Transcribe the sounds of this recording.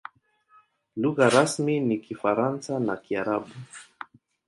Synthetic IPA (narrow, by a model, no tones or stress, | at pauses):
luɣaɾasminikifaɾansanakiaɾaɓu